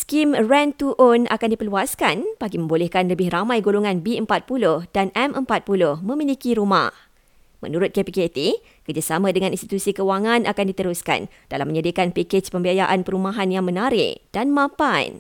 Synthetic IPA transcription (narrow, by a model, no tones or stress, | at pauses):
skimrɛnt̪uʔona̰kandipəluaskanpaɡimə̃mbolɛhkanləbɪhɾamãjɡoloŋãnbiəmpat̪̚pulʊhd̥anɛmʔəmpat̪̚pulʊhmə̃milikiɾuma̰h | mə̰̃nuɾʊt̪̚kepiket̪i | kərd͡ʒasamãdəŋãninst̪i̥t̪usikəwaŋãnakandit̪əɾuska̰n | d̥alamːə̃ɲadikanpiket͡ʃpəmbiajaʔanpəɾumãɦanjaŋmə̃naɾɪ̰ʔd̥anmãpajn